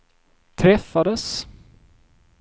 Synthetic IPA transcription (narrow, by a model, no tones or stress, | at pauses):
t̪ʰɾɛfːad̪əs